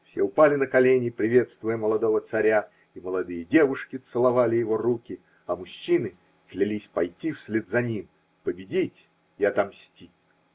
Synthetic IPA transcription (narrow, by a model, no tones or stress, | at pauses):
fsʲeʊpalʲɪnəkɐlʲenʲɪpɾʲɪvʲe̞t̪st̪vʊjəməlˠɐd̪o̞vət̪sɐɾʲa | iməlˠɐd̪ɨjədʲe̞vʊʂkʲɪt̪sɨlˠɐvalʲɪjɪvo̞rukʲɪ | ɐmʊɕːinɨ | klʲɪlʲisʲpɐjtʲifsʲlʲed̪zɐnʲim | pəbʲɪdʲitʲ | ɪɐt̪amsʲtʲi